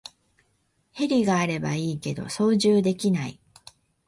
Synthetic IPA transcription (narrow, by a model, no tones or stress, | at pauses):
he̞ɾʲiɡaːɾe̞ba̰iːke̞d̪o̞̰so̞ːʑɨːd̪e̞kʲinai